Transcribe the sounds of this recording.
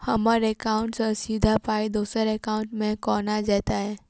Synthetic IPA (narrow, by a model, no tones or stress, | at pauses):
hɐməɾeːkaːʊ̃ɳʈsəsiːd̪ʱapaːid̪uːsəɾeːkaːʊ̃ɳʈmẽkɔːnad͡ʒɛːt̪aɦɛː